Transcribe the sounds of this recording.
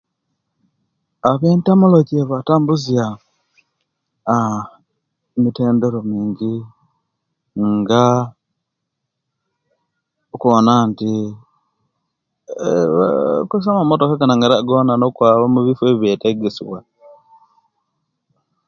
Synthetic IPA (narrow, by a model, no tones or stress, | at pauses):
aβeːntamolocieβataːmbuzja | miteːndeɾo̞miːɲɟi | ŋɡa | okuβonanti | kusamamotokakanaŋɡaɾaɡoːnanokwaːβamuβifweβjeteɡesiβwa